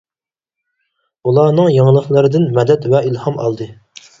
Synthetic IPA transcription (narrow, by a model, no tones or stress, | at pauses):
ulˠɑnɨŋjɑŋlˠəχlˠɨɾɨd̪ɪnmɛd̪ɛt̪vɛilˠhɑmɑ̰lˠd̪ɨ